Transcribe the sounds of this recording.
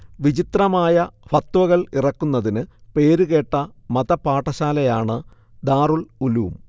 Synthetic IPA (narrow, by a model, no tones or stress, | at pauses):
ʋid͡ʑit̪rɐmaːjɐfɐt̪ːʋɐɣɐɭirɐkːunːɐðinɨpe̞ːɾuɣe̞ːʈːɐmɐðɐpaːʈːɐɕaːlɐjaːɳɨ | d̪aːruɭuluːm